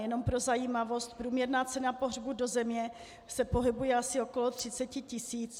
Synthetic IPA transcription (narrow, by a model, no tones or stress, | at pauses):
jɛno̞mpɾo̞zajiːmavo̞st̪pɾuːmɲɛɾnaːt͡sɛnapo̞ɦrbudo̞zɛmɲɛ | sɛpo̞ɦɪbujɛasɪo̞ko̞lo̞t̪r̝̥ɪt͡sɛcɪcɪsiːt͡s